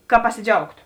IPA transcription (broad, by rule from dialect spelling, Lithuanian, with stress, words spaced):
kɐ pɐsʲɪˈd͡ʒʲɛʊktoː